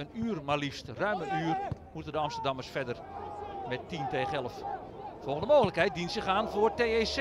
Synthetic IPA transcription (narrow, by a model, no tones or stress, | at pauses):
ənyːrmalistrœɥməʔyːrmutəndəɑmstərdɑmərsfɛdərmɛtːinteːχɛlˠəf | fɔlˠɣəndəmoːɣələkɦɛjt̚dinsəχaːnfoːteːes